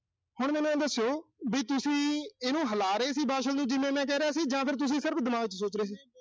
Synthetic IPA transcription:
hʊɳmɛ̃ːnɛ̃ːɛ̃ːd̪əsːjoːbiːt̪ʊsĩːeːnũːɦəlaːɾəeːsiːbaːʃəlnũːd͡ʒɪmẽːmɛ̃ːk̬ɛːɾaːsiːd͡ʒãːpʰɪɾt̪̬ʊs̬ĩːsɪɾbd̪əmãːʋɪt͡ʃsoːt͡ʃɾeːs̬iː

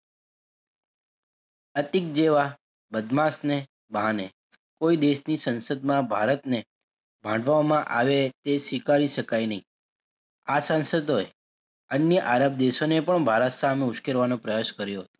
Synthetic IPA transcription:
ət̪ɪk̚d͡ʒeʋa | bəd̪mãsne | bane | koid̪eʃnisənsəd̪mãbʱaɾət̪ne | bʱãɳɖʋamãʔaʋet̪esʋikaɾiʃəkajnəɦĩ | asãnsəd̪oe | ənjəʔaɾəb̚d̪eʃonepəɳbʱaɾət̪sameʊʃkeɾʋanõpɾəjaʃkəɾjoɦət̪o̥

